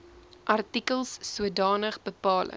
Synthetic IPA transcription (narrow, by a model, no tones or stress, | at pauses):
ʔɐrtikəlˠsːuədɑːnəχbəpɑːlə̰